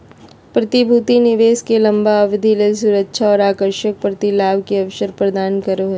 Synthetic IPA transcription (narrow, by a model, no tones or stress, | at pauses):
pɾɐt̪ibʱuːt̪inɪʋeːskelɐ̃mbaɐʋɪd̪ʱiles̬uːɾətːʃʰaɔːɾaːkəɾʃək̚pɾɐt̪ilaːʋkeɐʋʃəɾpɾɐd̪aːnkɐɾoɦ